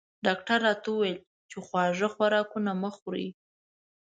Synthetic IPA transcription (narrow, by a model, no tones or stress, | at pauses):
ɖɑk̚ʈaɾːɑt̪auwajl | t͡ʃexwɑʐəxwaɾɑkunaməxɾḭ